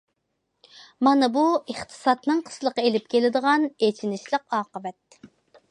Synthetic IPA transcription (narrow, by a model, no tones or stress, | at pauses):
mɑnɨbueχt̪ʰɨ̥sɑt̪nɨŋqʰə̥slˠəqɑelɪp̚kʲʰelɪd̪əʁɑnet͡ʃʰinɪʃlˠəqɑːqəvɛt̪̚